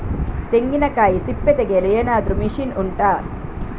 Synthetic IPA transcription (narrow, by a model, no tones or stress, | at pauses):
t̪eŋɡinɐkaːjisipːet̪eɡelijeːnaːd̪ɾumiʂinuɳʈaː